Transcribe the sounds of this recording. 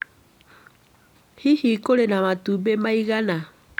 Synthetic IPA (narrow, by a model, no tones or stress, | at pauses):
hihikolɛnamatubɛmaiɣana